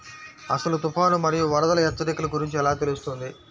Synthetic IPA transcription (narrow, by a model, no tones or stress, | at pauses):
ɐ̰sɐlut̪upaːnumɐɾijuʋɐɾɐd̪ɐlɐjɛt̪ːɐɾikɐlɐɡuɾiɲt͡ʃiɛlaːt̪elust̪und̪i